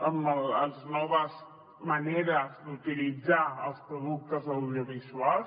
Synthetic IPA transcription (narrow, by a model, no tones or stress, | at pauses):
əməlznɔβəz | məneɾəzd̪ut̪ilid͡zaəlˠspɾuðuk̚t̪əzawðjoβizual